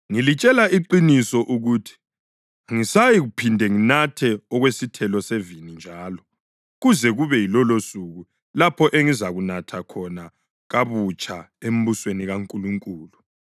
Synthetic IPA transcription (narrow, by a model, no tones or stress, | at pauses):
ŋilit͡ʃʼɛlaiǃinisɔʔuɣuːtʰi̥ | ŋisajiɣupʰindʱɛŋinatʰɛɔɣwesitʰɛlɔsevinind͡ʒʱaːlɔ | ɣuzɛɣuβɛjilɔlosuɣu | lapʰɔʔeŋizaɣunatʰakʰɔna | ɣaβut͡ʃʼʰa | em̩βusweniɣaŋkʼuluŋkʼuːlu